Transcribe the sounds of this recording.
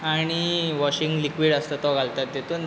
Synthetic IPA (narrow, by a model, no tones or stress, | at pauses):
aɽ̃iʋɔɕiŋɡlikʋiɽəst̪ət̪ɔɡʱalt̪at̪jet̪on